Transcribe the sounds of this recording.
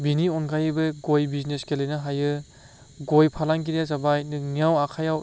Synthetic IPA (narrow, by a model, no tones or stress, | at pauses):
biniɔnɡajɯbɯɡojbizneskelɯjnɯɦajɯ | ɡojpʰalaŋɡiɾijazabajnɯniawakʰajaw